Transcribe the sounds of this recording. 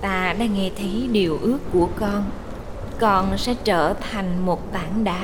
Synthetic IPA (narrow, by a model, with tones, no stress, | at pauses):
t̪aː˧ɗa̰ː˧˥ŋɛ˧t̪ʰə˨˦jɗi˨˩əwʔɨ˦˥əkːu˧˩əkɔ˧n | kɔ˨˩nsɛ̰˧˥t͡ɕəː˧˩t̪ʰa˨˩jŋ̟mo˨˩t̚t̪aː˧˩ŋɗaː˨˦